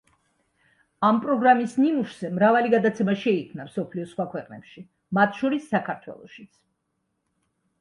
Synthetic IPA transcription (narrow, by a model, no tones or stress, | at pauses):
ampʼɾɔɡɾamisnimuʃz̥ɛmɾavaliɡad̪at̪sʰɛmaʃɛikʰmnamsɔpʰliɔsχwakʰwɛqʼnɛ̰pʃi | mat̪ʰʃɔɾisːakʰaɾt̪ʰwɛ̰lˠɔ̰ʃit̪sʰ